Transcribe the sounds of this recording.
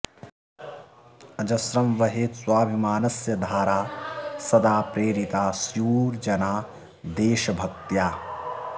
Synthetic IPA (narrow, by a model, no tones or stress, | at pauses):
ɐd͡ʒɐsɾɐmʋɐɦeːt̪swaːbʱimaːnɐsjɐd̪ʱaːɾaːsɐd̪aːpɾeːɾit̪aːsjuːɾd͡ʒɐnaː | d̪eːʃɐbʱɐk̚t̪jaː